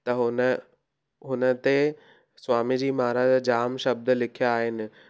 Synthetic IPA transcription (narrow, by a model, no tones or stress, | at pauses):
t̪ɐɦʊnə | ɦʊnə̆t̪e | swaːmid͡ʑiːmaːɾad͡ʑad͡ʑaːmʃɐb̚d̪lɪkʰijaaːɦɪnɪ̆